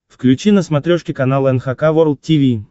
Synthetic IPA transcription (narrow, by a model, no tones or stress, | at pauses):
fklʲʉt͡ɕinəsmɐt̪ɾʲoʂkʲɪkɐnalˠɛnxakavoɾlˠt̪̚tʲːivʲi